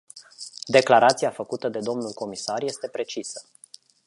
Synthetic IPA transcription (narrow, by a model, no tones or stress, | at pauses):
d̪e̞klaɾʔat̪siafəkut̪əd̪e̞d̪o̞mnulko̞misarje̞st̪e̞pɾe̞t͡ʃisə̥